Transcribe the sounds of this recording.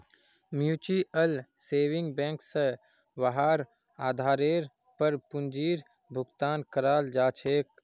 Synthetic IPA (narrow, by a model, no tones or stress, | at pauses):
mjuːt͡ʃiəlseːʋɪ̃ŋɡbɛ̃ːŋkse | wəɦaːɾ | aːd̪ʱaːɾeːɾ | pəɾpʊ̃nd͡ʒiːɾ | bʱʊɡt̪aːnkəɾaːld͡ʒaːt͡ʃʰeːk